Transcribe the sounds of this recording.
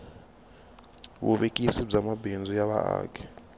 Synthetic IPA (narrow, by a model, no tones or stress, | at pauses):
wṵɓekʼisid͡zamabʱend͡zʱujaɓa̰a̰ːkʰʼɛ̥